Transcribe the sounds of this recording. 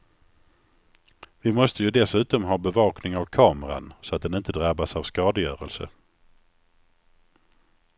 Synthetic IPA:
vɪmɔst̪əjɵd̪ɛsʉ̟ːt̪ɔmɦɑːbɛvɑːknɪŋavkʰɑːməɾa̰nsɔat̪̚d̪ɛnɪnt̪əd̪ɾabːasavskɑːd̪əjœːɾəlsə̰

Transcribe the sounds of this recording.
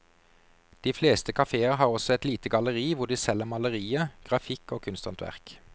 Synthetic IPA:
d̪̥iːfleːst̪əkʰɑfeːəʁɦɑːʁɔsɔɛt̪liːt̪əɡɑləʁiːʋʊd̪iːsɛləmɑləʁiːəɡ̥ʁɑfɪkoːkʰʉnst̪ɑnt̪ʋæ̰ʁk

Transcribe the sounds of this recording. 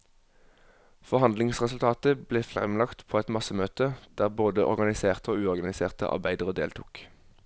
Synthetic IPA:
fɔʁhɑnd̪lɪŋsʁɛsʉlt̪ʰɑːt̪əbleːfʁɛ̰mlɑkt̪pʰoːɛt̪mɑsəmøːt̪əd̪̥æːʁboːd̪əʔɔ̰ʁɡɑnɪseːʁt̪əoːʉːɔʁɡɑnɪseːʁt̪ə̰ʔɑ̰ʁbæɪd̪əʁəd̪ḛːlt̪ʰʊːk

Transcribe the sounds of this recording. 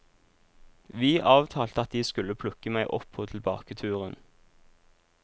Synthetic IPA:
ʋiːʔɑːʋt̪ʰɑːlt̪əɑt̪̚d̪iːskʉləpʰlʉkəmæɪʔɔpʰːoːt̪ʰl̩bɑ̰ːkət̪ʰʉːʁən

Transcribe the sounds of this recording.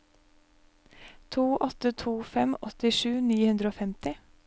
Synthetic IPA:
t̪ʰuːʔɔt̪ət̪ʰuːfɛmɔt̪ɪʃʉːniːhʉnd̪ɾəoːfɛmt̪ɪ

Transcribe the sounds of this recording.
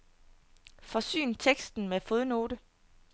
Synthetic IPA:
fɒ̽sy̰ːnt͡sʰeɡ̥sd̥n̩mefoðˠno̝ːɾə

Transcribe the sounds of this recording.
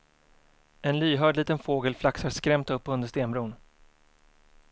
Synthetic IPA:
ɛnlyːɦœːɖliːt̪ənfoːɡəlflaksaskɾɛmt̪ɵpːɵnd̪əʂt̪eːnbɾuːn

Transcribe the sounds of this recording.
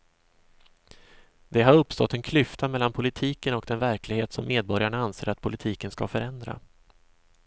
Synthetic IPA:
d̪̥ɛɦaɾɵpːst̪ɔ̰t̪ːɛnkʰlʏft̪amɛlːanpʰʊlɪt̪ʰiːkənɔkd̪ɛnvæɾklɪɡheːt̪sɔmːeːd̪̚bɔɾjaɳaanseːɾat̪̚pʰʊlɪt̪ʰiːkənskafœɾɛnd̪ɾa̰

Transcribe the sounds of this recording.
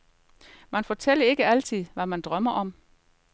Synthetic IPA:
mænfɒt͡sʰel̰ɐe̝ɡ̥əæl̰t͡sʰið̰ˠʋæmænd̥ʁɶmɐʔɒ̽m

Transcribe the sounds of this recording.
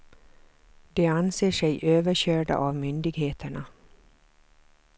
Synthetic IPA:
d̪eːanseːʂɛɪʔøːʋəɕøːɖə̰ʔɑːʋmʏnd̪ɪɡheːt̪ʰəɳɑ

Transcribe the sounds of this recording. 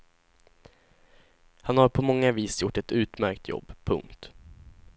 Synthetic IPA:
hanhaɾpʰɔmɔŋːaviːsjʊʈːɛt̪ʉ̟ːt̪mæɾkt̪ʰjɔ̰bːpʰɵ̰ŋkt̪

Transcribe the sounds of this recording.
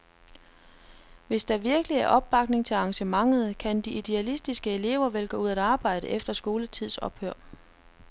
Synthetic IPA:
ʋe̝sd̥ɑ̈ʋiɐɡ̥əliæɐʔɒ̽b̥̚ːɑ̈ɡ̥ne̝ŋt͡sʰe̝lɑ̈ŋɕəmɑ̈ŋð̞̩ˠkʰænd̥iʔid̥eælisd̥isɡ̥əe̝le̝ʊ̰ɐʋelɡ̥ɔ̽uð̞̰ˠæd̥ɑ̈ːb̥ɑ̈ɪ̰ɾ̥əʔefd̥ɐsɡ̥o̝ːlət͡sʰið̞̰ˠsɒ̽b̥høɐ̰

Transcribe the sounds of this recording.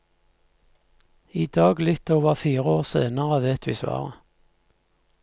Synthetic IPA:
iːd̪ɑːɡlɪt̪oːʋəʁfiːʁəoːʁsḛːnəʁəʋeːt̪ːiːsʋɑ̰ːʁə

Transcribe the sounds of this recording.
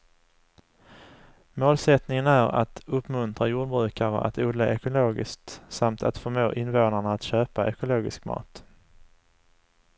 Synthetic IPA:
moːlsɛt̪nɪŋənæɾa̰t̪ɵpːmɵnt̪ɾajuːɖbɾʉ̟ːkaɾə̰ʔa̰t̪uːd̪laʔɛkʊloːɡɪ̰skt̪samt̪ʰa̰t̪fœɾmoːʔɪnvoːnaɳaːt̪ɕøːpaʔɛkʊloːɡɪ̰skmɑ̰ːt̪

